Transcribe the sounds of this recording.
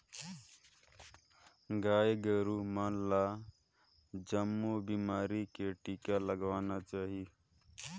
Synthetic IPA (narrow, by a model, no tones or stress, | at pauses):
ɡaːeɡəɾumanla | d͡ʒəmːubiːmaːɾikeʈiːkaləɡʋaːnat͡ʃaːɦi